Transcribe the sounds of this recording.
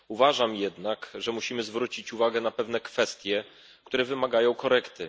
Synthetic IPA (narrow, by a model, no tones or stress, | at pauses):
uvaʐamjɛd̪nakʐɛmuɕimɘzvɾut͡ɕit͡ɕuvaɡɛnapɛvn̪ɛkfɛst̪ʲjɛ | kt̪uɾɛvɘmaɡajɔ̃w̃kɔɾɛkt̪ɘ